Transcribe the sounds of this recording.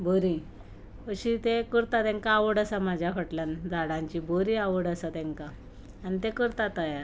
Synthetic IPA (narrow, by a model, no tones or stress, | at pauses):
bʱoɾi | əɕit̪ekəɾt̪at̪ɛ̃ŋkaːʋəɽəsamad͡ʑʱjakəʈland͡zaɽãɲt͡ɕiboɾiaʋəɽəsat̪ɛ̃ŋkaː | nit̪ekəɾt̪at̪əjaɾ